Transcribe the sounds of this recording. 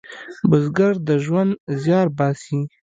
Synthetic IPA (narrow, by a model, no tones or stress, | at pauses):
bʊzɡaɾd̪əʒwand̪zjɑːɾbɑːsi